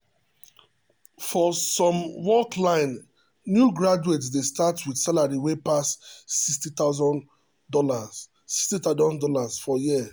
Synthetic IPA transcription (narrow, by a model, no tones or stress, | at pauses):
fɔsɔ̃mwɔklãɪ̃n | njuɡɹad͡ʒuetsdestatwidsalaɹiwepassistitazɔ̃n | dɔla | si̥kstit̪adɔ̃ndɔlasfɔjiə